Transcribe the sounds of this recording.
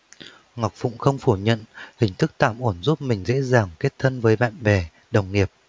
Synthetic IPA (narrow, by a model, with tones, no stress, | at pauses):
ŋa˨˩wk͡p̚vʊ̰˧˨ŋ͡mxə˧wŋ͡mfu˧˩ɲə̰˧˨nhï˨˩ŋ̟t̪ʰɨ˦˥k̚t̪a̰ː˧˩mʔo˧˩nzu˦˥p̚mï˨˩ŋ̟zḛ˧˥zaː˨˩ŋke˦˥t̚t̪ʰə˧nvəː˨˦jɓa̰ː˧˨nɓɛ˨˩ | ɗə˨˩wŋ͡mŋi˨˩əp̚